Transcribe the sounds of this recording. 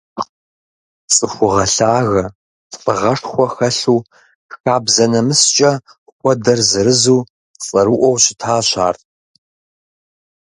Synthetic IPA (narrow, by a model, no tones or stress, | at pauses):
t͡sʼɨxʷʊʁɐɬaːɣɐ | fʼɨʁɐʂxʷɔxɐɬuː | xaːbzɐnɐmɨst͡ʃʼɐ | kʷʼɔdɐrzɨɾɨzuː | t͡sʼɐɾuʔʷɔwɕɪ̥tʰaːɕʰa̰ːrtʼ